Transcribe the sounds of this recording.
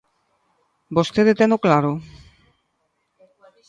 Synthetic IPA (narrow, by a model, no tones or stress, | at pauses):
bost̪ed̪et̪ɛnoklaɾo